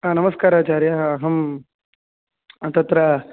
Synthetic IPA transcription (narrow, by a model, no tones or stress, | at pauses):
aːnɐmɐskaːɾaːt͡ʃaːɾjaɐɦɐm | t̪ɐt̪ɾɐ